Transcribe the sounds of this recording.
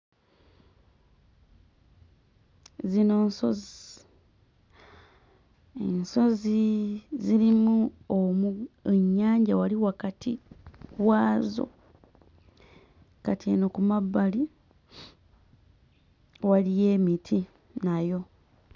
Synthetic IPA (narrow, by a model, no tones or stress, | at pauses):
zino̞ːnso̞zi | enso̞ziziɾimuomueɲːaːɲɟawaliwakatʰiwaːzo̰ | katienokumabːali | walije̞ːmitʰi | najo̞